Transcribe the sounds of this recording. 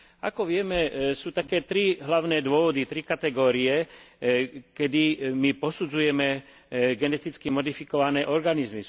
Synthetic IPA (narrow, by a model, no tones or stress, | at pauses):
a̰kɔʋɪɛmɛsuːt̪akɛːt̪ɾiɦlaʊnɛːd̪ʊɔʋɔd̪it̪ɾikat̪ɛɡɔːɾiɛ | kɛd̪imipɔsud͡zujɛmɛ | ɡɛnɛt̪it͡skimɔd̪ifikɔʋanɛːʔɔɾɡanizmi